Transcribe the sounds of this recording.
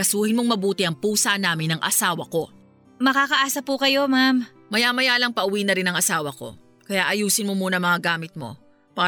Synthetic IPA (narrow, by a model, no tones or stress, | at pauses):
ɐsuːhɪnmoŋmɐbuːt̪ɪʔɐŋpuːsanaːmɪnɐŋʔɐ̰saːwɐko̞ | mɐkaːkɐʔaːsɐpukɐjo̞mam | mɐjaːmɐjaːlɐŋpɐʔʊwiːnɐɾɪnɐŋɐsaːwɐko̞̰ | kɐjaːʔɐjuːsɪnmomuːnɐmɐŋɐɡaːmɪt̪̚mo̞̰ | paː